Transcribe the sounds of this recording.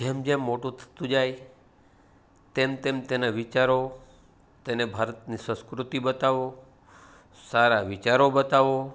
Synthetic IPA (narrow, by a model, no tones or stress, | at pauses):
d͡ʒemd͡ʒemːoʈũt̪ʰə̥t̪ũd͡ʒaj | t̪emt̪emt̪enaʋit͡ʃaɾo | t̪enebʱaɾət̪nisə̃skɾut̪ibət̪aʋo | saɾaʋit͡ʃaɾobət̪aʋo